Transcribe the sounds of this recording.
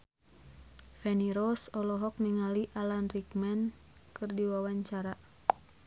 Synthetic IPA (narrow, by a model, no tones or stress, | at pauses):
fɛniɾɔsɔlɔɦɔk̚niŋaliʔalanrikmɛn | kɨrdiwawaɲt͡ʃaɾa